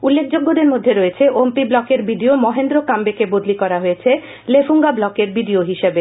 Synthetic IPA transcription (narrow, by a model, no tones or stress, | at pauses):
ulːek̚ʰd͡ʑoɡːod̪eɾmod̪ʱːeɾojet͡ɕʰeʔompiblɔkeɾbiɖiomɔɦend̪ɾokambekebod̪likɔɾaɦojet͡ɕʰe | lefuŋɡablɔkeɾbiɖioɦiʃebe